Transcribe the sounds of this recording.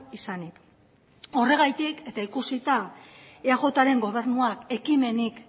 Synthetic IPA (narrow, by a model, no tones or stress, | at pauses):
isanik | o̞re̞ɣajt̪ike̞t̪aikusit̪aeaɣo̞t̪aɾe̞ŋɡo̞β̞e̞ɾnuake̞kime̞nik